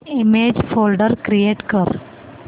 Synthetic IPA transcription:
ɪmeːd͡ʒfoːlɖəɾkɾijeːʈkəɾ

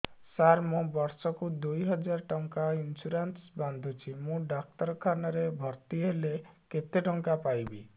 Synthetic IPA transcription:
saɾmũbɔɾsɔkud̪ujɦɔd͡ʒaɾʈɔŋkainsuɾansband̪ʱut͡ʃʰimũɖak̚t̪ɔɾɔkʰanɔɾebʱɔɾt̪iɦeleket̪eʈɔŋkapajbḭ

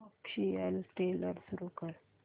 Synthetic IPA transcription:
akɕiəlʈeləɾsuɾukəɾ

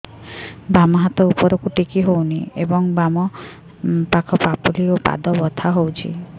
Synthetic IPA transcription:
bamɔɦat̪ɔupɔɾokuʈikiɦowniebɔŋbamɔ | pakʰɔpapuliopa̰d̪ɔbɔt̪ʰaɦowt͡ʃʰḭ

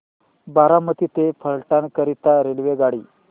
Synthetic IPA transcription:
baɾamət̪it̪efʰəɭʈankəɾit̪aɾelʋeɡaɽiː

